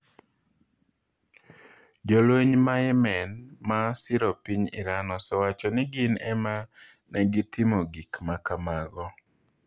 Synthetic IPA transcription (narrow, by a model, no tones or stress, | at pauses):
d͡ʒɔlweɲmajɛmɛnmasɪɾɔpiɲɪ̰ɾanɔsɔwat͡ʃɔnɪɡɪnɛma | nɛɡɪtʰɪmoɡikmakamaɡɔ